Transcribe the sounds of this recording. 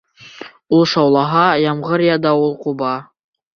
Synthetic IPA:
ulˠʃɑwlˠɑɦɑjɑmʁɤɾjɑd̪ɑulˠqubɑ

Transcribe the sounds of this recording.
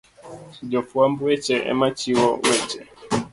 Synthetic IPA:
d͡ʒɔfuambɛt͡ʃɛʔɛ̰mat͡ʃiwɔwɛt͡ʃɛ

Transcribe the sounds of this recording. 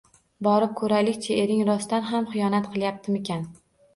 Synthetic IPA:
bɒɾɪp̚kʰɵɾalɪkʲt͡ʃʰaeɾɪŋɾɒst̪anɦamχɨjɒnat̪qʰɨlˠjap̚t̪ʰɪme̞kʲan

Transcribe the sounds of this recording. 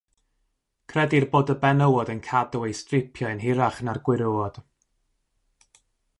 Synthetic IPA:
kʰrɛdirboːdəbɛnəwɔdənkʰadɔwejstrɪpʰjɔɨnɦɪɾaχnarɡwɪɾuwɔd̥

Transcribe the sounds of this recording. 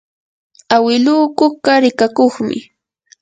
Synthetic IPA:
awɪluːkʊɢaɾɪkakoχmɪ̰

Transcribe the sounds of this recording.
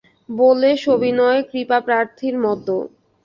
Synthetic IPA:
boleʃobinɔekɾipapɾaɾt̪ʰiɾmɔt̪ːo

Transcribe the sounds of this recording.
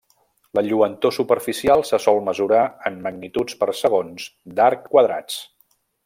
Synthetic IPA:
ləʎuənt̪osupəɾfisialˠsəsɔlˠməzuɾaəmməɡnit̪ut͡spəɾsəɣ̞onzd̪aɾkːwəðɾa̰t͡s

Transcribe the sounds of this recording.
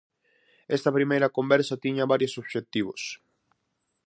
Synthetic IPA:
ɛst̪ɐpɾimejɾɐkombɛɾsɐt̪iɲɐβaɾjosoβʃet̪iβ̞os

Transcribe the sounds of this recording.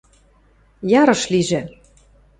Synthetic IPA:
jɑɾɤ̆ʃliʒĕ

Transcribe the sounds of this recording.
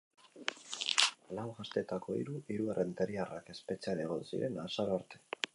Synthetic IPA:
lawɣast̪e̞t̪ako̞ḭɾuʔiɾuarʔent̪eɾiarake̞spe̞t͡saɾaɣ̞o̞nsḭɾe̞nasaɾoaɾt̪e̞

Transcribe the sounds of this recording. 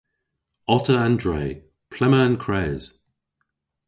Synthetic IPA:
ɒtəãndɹeɪ | pʰl̥ɛməə̃nkʰɹ̥ɛːz̥

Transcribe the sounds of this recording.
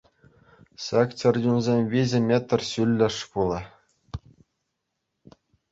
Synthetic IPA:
sɑkt͡ɕɘ̆rʲdʲunzʲemʲʋʲizʲɘ̆mʲet̪ːrʲɕylʲːɘ̆ʂpulˠɑ̆

